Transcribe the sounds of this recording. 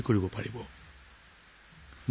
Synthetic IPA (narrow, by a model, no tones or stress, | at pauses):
koɹibɔpaɹibɔ | m